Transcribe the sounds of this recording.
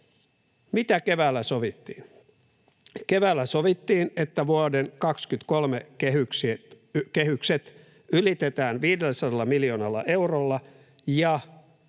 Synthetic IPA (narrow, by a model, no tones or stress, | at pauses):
mit̪æke̞ʋæːlːæsoʋit̪ːḭːn | keʋæːlːæsoʋit̪ːiːnet̪ːæʋuodenkɑkskyt̪kolmeehyks | kehykset̪ | ylit̪et̪æːnʋiːdelːæsɑdɑlːɑmiljoːnɑlːɑ̰ʔe̞wrolːɑ | jɑ